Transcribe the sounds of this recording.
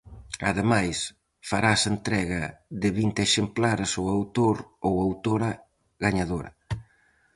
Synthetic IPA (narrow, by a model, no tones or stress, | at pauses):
a̰ðemajs | faɾasent̪ɾɛɣɐðɪβint̪ɪeʃemplaɾsowawt̪oɾowawt̪oɾɐ | ɣaɲaðoɾɐ̰